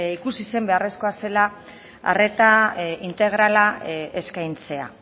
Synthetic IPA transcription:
ikusise̞mbe̞are̞sko̞ase̞la | a̰re̞t̪aint̪e̞ɣ̞ɾalaeskajnt͡se̞a̰

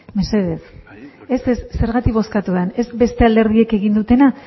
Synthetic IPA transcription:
me̞se̞ðe̞θ | esessːe̞ɾɣat̪ikβo̞skat̪ueane̞zbe̞st̪e̞ald̪e̞ɾð̞ie̞ke̞ɣind̪ut̪e̞na

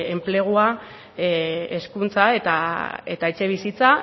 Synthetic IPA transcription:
emple̞ɣ̞ua | eskunt͡sae̞t̪ae̞t̪aet͡ʃe̞β̞isit͡sa

